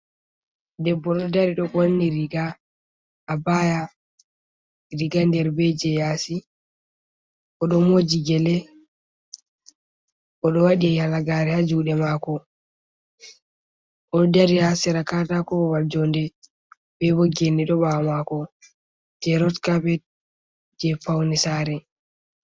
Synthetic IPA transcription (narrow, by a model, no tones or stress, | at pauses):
dɛbːɔɗɔdaɾiɗɔɡonːiɾiɡaː | baja | ɾiɡandɛɾbɛd͡ʒɛjasi | ɔɗɔmod͡ʒiɡɛlɛ | ʔɔɗɔwaɗiɛjalaɡaɾɛhad͡ʒuɗɛmakɔ | ʔɔdaɾihasiɾakatakɔɔwald͡ʒɔndɛ | bɛbɔɡeniɗɔɓamakɔ | d͡ʒɛɾɔtkapɛt̚ | d͡ʒɛfawnisaːɾɛ